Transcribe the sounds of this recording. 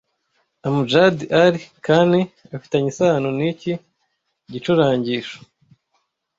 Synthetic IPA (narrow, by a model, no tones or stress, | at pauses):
amud͡ʒadiʔaɾikaːndiafi̥taɲisaːnonici | ɟit͡ʃuɾaːɲɟiʃo̥